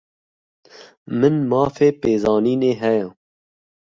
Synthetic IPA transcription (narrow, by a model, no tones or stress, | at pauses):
mɨnmɑːfeːpeːzɑːniːneːɦɛjɛː